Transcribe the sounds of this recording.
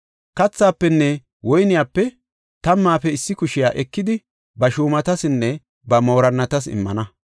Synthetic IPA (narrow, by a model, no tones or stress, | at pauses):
kɐt͡sːaːpːɛnːɛ | wɔjnɪjaːpːɛ | t̪ɐmːaːfɛɪsːɪkʊʃɪjaːʔɛkːɪd̪ɪ | bɐʃuːmɐt̪ɐsɪnːɛ | bɐmoːɾɐnːɐt̪ɐsɪ̰mːɐnɐ